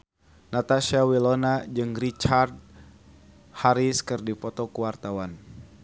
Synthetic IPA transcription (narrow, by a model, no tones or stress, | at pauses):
nat̪aʃiawilɔnad͡ʒɨŋrit͡ʃard̚ | haɾiskɨrdipɔt̪ɔkuwart̪awan